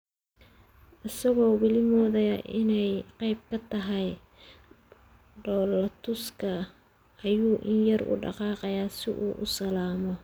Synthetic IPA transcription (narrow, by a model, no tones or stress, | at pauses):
ʔɪsɐɣɔːwɪlɪmɔːðɐjɐʔɪnɛjqɑjb̚kʰɐt̪ʰɐɦɛj | ɖɔːlɐt̪ʰʊskʰɐ | ʔːjuːʔɪnjɐrʔʊ̰ɖɑ̰qɑːqɑjaːsɪʔuːʔʊsɐlaːmɔ